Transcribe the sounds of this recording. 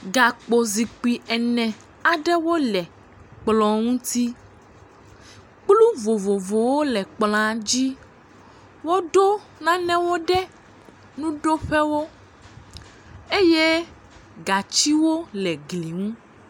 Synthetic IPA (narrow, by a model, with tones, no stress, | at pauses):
ɡa˨k͡po˨zi˨k͡pi˨ʔɛ˨nɛ̃˨ | a˨ɖɛ˦wo˦lɛ˨ | k͡plɔ˨ŋũ˦t̪i˦ | k͡plu˦vo˨vo˨vo˨wo˦lɛ˨k͡plã˨˦d͡ʑi˦ | wo˦ɖo˦ | nã˦nɛ̃˦wo˦ɖɛ˦ | nũ˦ɖo˦ɸɛ˦wo˦ | e˦je˦ | ɡa˨t͡ʃi˦wo˦lɛ˨ɡli˨ŋũ˦